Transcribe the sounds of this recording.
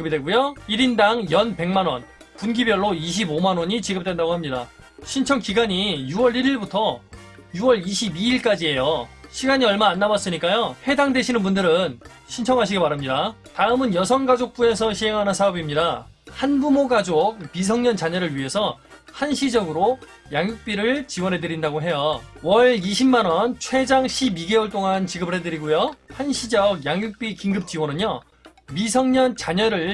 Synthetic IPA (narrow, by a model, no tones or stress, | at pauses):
ɯbidwek͈ujoiɾindaŋjʌnpe̞ŋmanwʌn | punɡibjʌɭːoiɕ̬ʰibomanwʌɲit͡ɕiɡɯp̚t͈we̞ndaɡoɦamɲida | ɕʰint͡ɕʰʌŋkiɡaɲijuwʌɾiɾiɭbutʰʌjuwʌɭiɕʰibiːɭk͈ad͡ʑiɦe̞joɕʰiɡaɲiʌɭmaːnːawas͈ɯɲik͈ajoɸwe̞daŋdwe̞ɕʰinɯnbundɯɾɯn | ɕʰint͡ɕʰʌŋɦaɕ̬ʰiɡemaɾamɲida | taɯmɯnjʌsʰʌnɡad͡ʑok̚p͈ue̞sʰʌɕʰiɦe̞ŋɦanɯnsʰaʌbimɲida | hanbumoɡad͡ʑok̚misʰʌŋɲʌnt͡ɕaɲʌɾɯɭɥiɦe̞sʰʌ | hanɕʰid͡ʑʌɡɯɾo | jaŋjuk̚p͈iɾɯɭt͡ɕiwʌnɦedɯɾindaɡoɦe̞jowʌɭiɕʰimːanwʌnt͡ɕʰwe̞d͡ʑaŋɕʰibiɡe̞wuɭt͈oŋant͡ɕiɡɯbɯɭhedɯɾiɡujohanɕʰid͡ʑʌɡ̚jaŋjuk̚p͈ikiŋɡɯp̚t͡ɕ͈iwʌnɯɲjo | misʰʌŋɲʌnt͡ɕaɲʌɾɯɭ